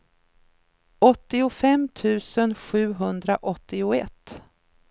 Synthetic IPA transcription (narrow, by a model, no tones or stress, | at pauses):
ɔt̪ːɪʊfɛmt̪ʰʉ̟ːsənɧʉ̟ːɦɵnd̪ɾaʔɔt̪ːɪʊɛ̰t̪ː